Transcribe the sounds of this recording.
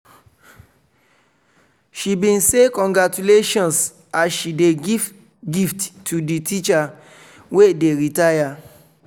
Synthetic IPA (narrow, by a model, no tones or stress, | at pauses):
ʃibĩnsekɔ̃ŋɡɹatuleʃɔ̃ns | asʃideɡiv | ɡifttʰːuditʰit͡ʃa | wedeɹitaja